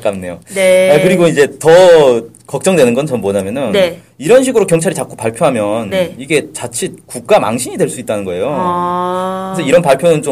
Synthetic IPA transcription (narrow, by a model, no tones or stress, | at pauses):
k͈amne̞̰joeakɯɾiɡoid͡ʑe̞tʌ | kʌk̚t͡ɕ͈ʌŋdwe̞nɯnɡʌnt͡ɕʌmwʌɲamjʌnɯn | iɾʌnɕʰiɡɯɾokjʌŋt͡ɕʰaɾit͡ɕak͈ʰopaɭpʰjoɦamjʌniɡe̞t͡ɕat͡ɕʰikuk̚k͈ama̰ŋɕʰiɲidwe̞ɭs͈uit̚t͈anɯnɡʌe̞jo | kesʰʌiɾʌnpaɭpʰjonɯnt͡ɕo